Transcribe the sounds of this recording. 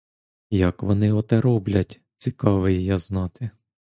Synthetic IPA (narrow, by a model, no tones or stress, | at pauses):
jɐkʋɔnɪɔt̪ɛɾɔblʲɐtʲ | t͡sʲikɑʋɪjjɑznɑt̪ɪ